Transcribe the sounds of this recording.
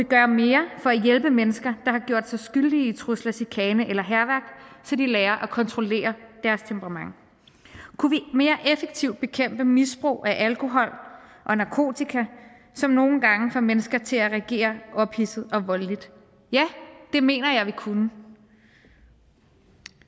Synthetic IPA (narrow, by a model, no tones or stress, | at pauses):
ʋiɡ̥ɶːɐme̝ːɐfɒ̽æjelb̥əmenəsɡ̥ɐd̥ɑ̈hɑ̈ɡ̥jo̝̰ɐ̰d̥sɑ̈ɪsɡ̥yld̥iit͡sʰʁoslæsikʰɛːnəʔelɐɦæɐʋæɐ̰ɡ̥sɒ̽d̥ilɛːɐʔækʰɒ̽nt͡sʰʁo̝le̝̰ːɐd̥æɐst͡sʰempʰəʁɑ̈mɑ̈ŋ | kʰuʋime̝ːɐʔefeɡ̥̚t͡sʰiʊd̥̚b̥e̝kʰem̰b̥əmisb̥ʁo̝̰ːʔæʔælkʰo̝ɦɒ̽l̰ʔɒ̽nɑ̈kʰo̝̰ːt͡sʰikʰæ | sɒ̽mno̝ːn̩ɡ̥ɑ̈ŋəfɒmenəsɡ̥ɐt͡sʰe̝læʁɛɡ̥e̝̰ːɐʔɒ̽b̥hisð̩ˠɒ̽ʋɒ̽llid̥ | jæd̥e̝me̝̰ːnɐjɑ̈ɪʋikʰunə